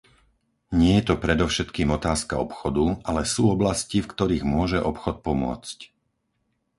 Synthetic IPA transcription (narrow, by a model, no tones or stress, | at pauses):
ɲɪɛjɛt̪ɔpɾɛd̪ɔʊʃɛt̪kiːmɔt̪aːskaɔpxɔd̪ualɛsuːɔblascifkt̪ɔɾiːɣmʊɔʒɛʔɔpxɔt̪̚pɔmʊɔ̰t͡sc